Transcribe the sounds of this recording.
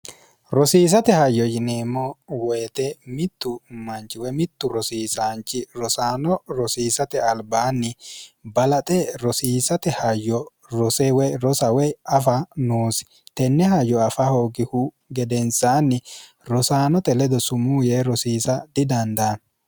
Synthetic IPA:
ɾɔsiːs̬ɐt̪ɛhɐjːɔjɪneːmːɔweːt̪ɛmɪt̪ːʊmɐnt͡ʃɪwɛmɪt̪ːʊɾɔsiːsaːnt͡ʃːɪɾɔsaːnɔɾɔsiːsɐt̪ɛɐlbaːnːɪbɐlɐt̪ʼɛɾɔsiːsɐt̪ɛhɐjɔ | ɾɔsɛwɛɾɔsɐwɛɐfɐnuːsɪ̥ | t̪ɛnːɛhɐjɔɐfahoːɡɪhu | ɡɛd̪ɛnsaːnːɪ | ɾɔsaːnɔt̪ɛlɛd̪ɔsʊmuːjeːɾɔsiːsɐd̪ɪd̪ɐnd̪aːn

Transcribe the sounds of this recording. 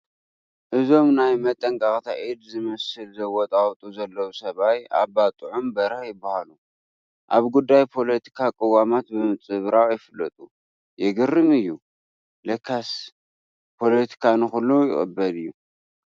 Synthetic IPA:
ʔɨzo̞mnajmɐt̪ʼːɐŋkʼaχʼt̪ʰaʔid̪zɨmɐsɨlzɐwɔt̪ʼaχt̪ʼuzɐlːɐwusɐβaja̰bat̪ʼɨʕumbɐɾɐħjɪbːahalu | ʔaβɡud̪ːajpʰo̞lɐt̪ʰi̥kʰakʼɨwːamat̪̚bɨmɨt͡sʼɨβɾaʕjɪfɨlːɐt̪ʼu | jɛɡɨrɨmɨjːu | lɐkʰːas | pʰo̞let̪ʰi̥kʰanɨxʊlːojɪ̰xʼɨ̰bːɐlɨjːu

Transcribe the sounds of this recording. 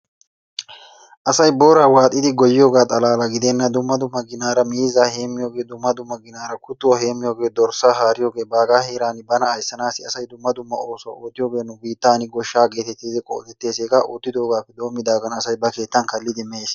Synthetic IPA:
ʔɐsɐjbo̞ːɾaːwaːt̪ʼːɪd̪ɪɡɔjːɪjo̞ːɡaːt̪ʼɐlaːlɐɡɪd̪ɛnːɐd̪ʊmːɐd̪ʊmːɐɡɪnaːɾɐmiːzaheːmːɪjo̞ːɡe̞ːd̪ʊmːɐd̪ʊmːɐɡɪnaːɾɐkʰʊt̪ːʊwɐhe̞ːmːɪjo̞ːɡe̞ːd̪ɔɾsaːɦaːɾɪjoːɡe̞ːbaːɡaːheːɾaːnɪbɐnɐɐjsːɐnaːsɪɐsɐjd̪ʊmːɐd̪ʊmːɐo̞ːso̰oːt̪ːɪjoːɡe̞ːnʊbiːt̪ːaːnɪɡɔʃːaːɡe̞ːt̪ɛt̪ːiːd̪ɪkʼo̰ːt̪ɛt̪ːe̞ːseːkaʔoːt̪ːɪd̪o̞ːɡaːpːɛd̪o̞ːmːɪd̪aːɡɐnɐsɐjbɐke̞ːt̪ːɐnkɐlːɪd̪ɪmːeːs

